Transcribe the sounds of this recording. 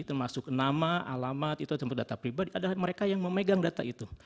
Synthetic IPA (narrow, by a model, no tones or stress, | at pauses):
t̪əmasʊknamaalamat̪it̪ut̪əmpat̪̚dat̪apɾibadiadalahməɾekajaŋməmeɡaŋdat̪a̰it̪u